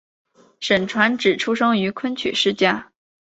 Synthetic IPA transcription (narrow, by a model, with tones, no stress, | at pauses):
ʂə˨˩nʈ͡ʂʰwa˧˥nʈ͡ʂɻ̩˨˩ʈ͡ʂʰu˥ʂɤ˥ŋy˧˥kʰwə˥nt͡ɕʰy̰˨˩ʂɻ̩˥˧t͡ɕja˥˩